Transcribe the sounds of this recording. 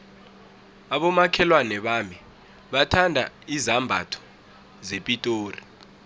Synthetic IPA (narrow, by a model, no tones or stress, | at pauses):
aɓɔmakʰɛlwanɛɓami | ɓatʰandʱa | izambʱa̰tʰɔ̥ | zepʼitʼoːri